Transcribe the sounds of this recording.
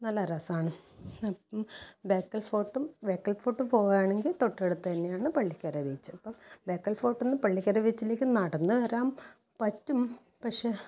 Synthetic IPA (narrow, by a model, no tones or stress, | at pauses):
nɐlːɐɾɐsaːɳɨɐpmbeːkːɐlfo̞ːʈːumbeːkːɐlfo̞ːʈːumpo̞ːɣaːɳe̞ŋɡilt̪o̞ʈːeɽut̪ːɐt̪ɐnːejaːɳɨpɐɭːikʲːɐɾɐʋit͡ɕːɨɐpːobeːkːɐlfo̞ːʈːenːɨpɐɭːikʲːɐɾɐʋit͡ɕːile̞ːkʲːɨnaːɽɐnːɨʋɐɾaːm | pɐtːum | pɐkʂe̞